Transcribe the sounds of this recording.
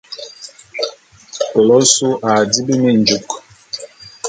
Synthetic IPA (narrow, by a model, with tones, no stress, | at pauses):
ko˨lɔ˦su˦ʔa˨di˦be˦me˦n˨d͡ʒu˨k